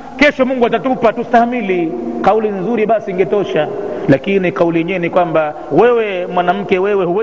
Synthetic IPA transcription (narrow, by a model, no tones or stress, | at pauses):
kɛʃɔmuŋɡuatatupatustahamilikaulinzuɾiɓasiːŋɡɛtɔʃalakinikaulijɛɲɛnikwamba | wɛwɛmwanam̩kɛwɛwɛhuwɛ